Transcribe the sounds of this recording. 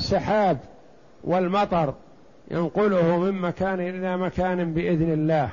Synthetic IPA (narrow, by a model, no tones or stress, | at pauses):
sːaħaːb | wɪlmɑt̪ˤɑɾˤ | jʔa̰nqʊlʊhʊmɪmmakaːnʔɪlamakaːnɪbɪʔɪðnɪlːaːh